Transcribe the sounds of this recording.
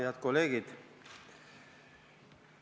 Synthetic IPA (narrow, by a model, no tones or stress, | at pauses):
ðat̪koleɣit̪